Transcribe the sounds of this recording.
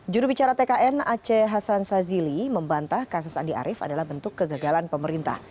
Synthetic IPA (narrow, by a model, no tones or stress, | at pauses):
d͡ʒuɾubit͡ʃaɾat̪ekaʔɛnat͡ʃeɦasansaziliməmbant̪ahkas̬ʊsandia̰ɾʔɪfa̰dalahbənt̪ʊkːəɡaɡalanpəməɾint̪a̰h